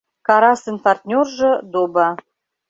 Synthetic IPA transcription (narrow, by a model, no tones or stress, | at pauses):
kɑɾɑsənpɑrt̪ʲnʲorʒə̆d̪obɑ